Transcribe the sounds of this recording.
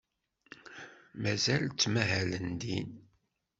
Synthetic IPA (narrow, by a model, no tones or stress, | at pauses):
mæzælt͡sːmæɦælənd̪in